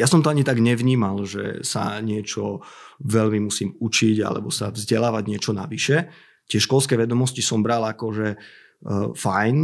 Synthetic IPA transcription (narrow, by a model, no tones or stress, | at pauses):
jasɔmt̪ɔaɲit̪aɡɲɛʋɲiːmalʒɛ̰sa̰ɲɪɛt͡ʃɔʋɛlmimusiːmut͡ʃiɟa̰lɛ̰bɔsavzɟɛlaːʋaɟɲɪɛt͡ʃɔna̰ʋiʃɛ | t̪ɪɛʃkɔlskɛːʋɛd̪ɔmɔscisɔmbɾalakɔʒɛ | fajn